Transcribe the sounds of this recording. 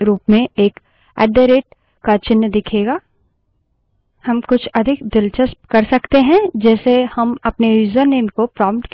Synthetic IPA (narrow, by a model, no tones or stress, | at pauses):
ɾuːpmẽeːk | ɛ̰ːɖəɾeːʈ̚ | kat͡ʃɪnːd̪ɪkʰeːɡaː | hɐmkʊt͡ʃʰɐd̪ʱɪkd̪ɪlt͡ʃəsp̚kɐɾsɐkt̪eɦɛ̃d͡ʒɛːsehɐmɐpneɾiːzəɾneːmkopɾãːmʈk